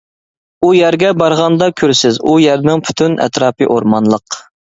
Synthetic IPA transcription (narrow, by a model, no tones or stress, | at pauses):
ujæɾɡʲɛbɑɾʁɑnd̪ɑkʲʰøɾsɪzujæɾnɪŋpʰy̥t̪ʰynɛ̰t̪ɾɑːpɨ̰ʔoɾmɑnlˠəq